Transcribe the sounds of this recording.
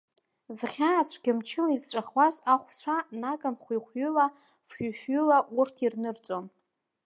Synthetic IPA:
zχʲaːt͡ɕʷʰɡʲɪmt͡ʃʰɪlaizʈ͡ʂʷʼaχwazaχʷt͡ɕʷʰanaɡʼanχʷiχʷɥʏla | fʏfɥʏlaʔurtʰirnɨrt͡sʷʼo̞n

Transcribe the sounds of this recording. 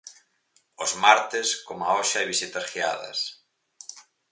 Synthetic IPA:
ozmaɾt̪eskomaɔʃaajβisit̪ɐsxiaðɐ̰s

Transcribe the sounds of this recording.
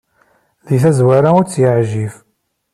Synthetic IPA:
ðiθæzwaɾaʊɾt͡sːjəʕʒif

